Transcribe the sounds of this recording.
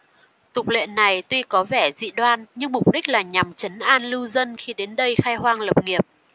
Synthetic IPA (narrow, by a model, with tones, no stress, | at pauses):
t̪ʊ˨˩k͡p̚lḛ˧˨nnːa˨˩jt̪wi˧kɔ˨˦vɛ˧˩zḭ˧˨ɗwaː˧nɲɨ˧ŋmʊ˨˩k͡p̚ɗi˦˥k̟̚laː˨˩ɲa˨˩mt͡ɕə˨˦nʔaː˧nlɨ˧zə˧nxi˧ɗe˨˦nɗə˧jxaː˧jɦwaː˧ŋlə˨˩p̚ŋi˨˩əp̚